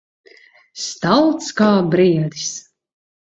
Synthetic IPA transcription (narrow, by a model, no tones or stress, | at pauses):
st̪alˠt̪skaːbɾiɛd̪is